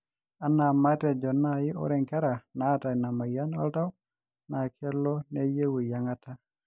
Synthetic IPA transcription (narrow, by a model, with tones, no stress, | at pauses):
a˨na˨ma˦tɛ˨d͡ʒɔ˨nːa˦jɪ˦ɔ̰˦ɾɛ˦˨ŋkɛ˦ɾa˨na˦ta˨jna˨ma˨ja˦na̰˦lta˦w | na˨kʰɛ˦lɔ˦ne˦je˦we˨ja˨ŋa˦ta˦